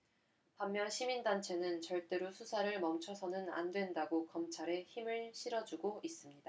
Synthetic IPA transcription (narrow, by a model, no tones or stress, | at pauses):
pamːjʌnɕʰimindant͡ɕʰe̞nɯnt͡ɕʌɭt͈e̞ɾosʰusʰaɾɯɭmʌmt͡ɕʰʌsʰʌnɯna̰ndwe̞ndaɡokʌmt͡ɕʰaɾe̞çimɯɭɕʰiɾʌd͡ʑuɡois͈ɯmɲida